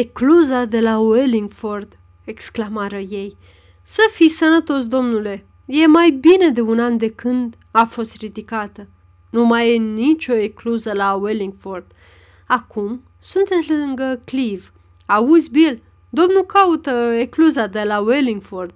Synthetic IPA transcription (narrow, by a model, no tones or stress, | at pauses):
ekluzad̪e̞laweliŋɡford̪ | eksklamaɾəje̞j | səfijsənət̪o̞sd̪o̞mnule̞ | je̞majbine̞d̪e̞unand̪e̞kɨnd̪ | afo̞st̪ɾid̪ikat̪ə | numajenit͡ʃʲo̞ekluzəlaweliŋɡford̪̥ | akʰum | sunt̪et̪sʲlɨŋɡəkliv | auzʲbil | d̪o̞mnukaut̪əekluzad̪e̞laweliŋɡford̪̥̚